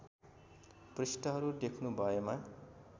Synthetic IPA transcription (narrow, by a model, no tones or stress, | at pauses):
prisʈʌɦʌɾud̪ekʰnubʱʌema